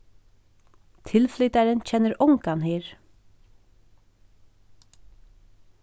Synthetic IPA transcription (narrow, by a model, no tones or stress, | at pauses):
t̪ʰɪlflʏt̪æɹənc͡çɛnəɾʔʊŋkɑnheːɹ